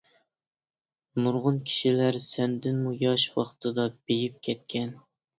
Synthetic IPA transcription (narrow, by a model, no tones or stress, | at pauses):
nuɾʁʊnkʲʰi̥ʃilæɾsɛnd̪ɪnmujɑʃwɑχt̪ʰɨd̪ɑb̥ejip̚kʲʰɛt̪̚kʲʰɛn